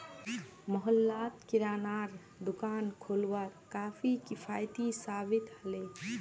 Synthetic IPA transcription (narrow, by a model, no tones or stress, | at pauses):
məɦəlːat̪kiɾaːnaɾ | d̪ukankʰolʋaɾkapʰikipʰajt̪isabit̪həle